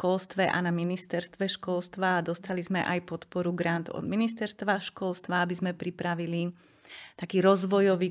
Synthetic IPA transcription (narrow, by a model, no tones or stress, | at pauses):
ʃkɔlst̪ʋɛʔa̰naminist̪ɛɾst̪ʋɛʃkɔlst̪ʋad̪ɔst̪alizmɛʔajpɔt̪pɔɾuɡɾant̪ɔ̰d̪minist̪ɛɾst̪ʋaʃkɔlst̪ʋaabizmɛpɾipɾaʋili | t̪akiːɾɔzʋɔjɔʋiː